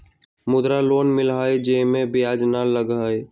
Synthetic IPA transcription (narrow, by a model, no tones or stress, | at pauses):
mʊd̪ɾaloːnmɪlɦajd͡ʒemẽbɪjaːd͡ʒnalːəɡaj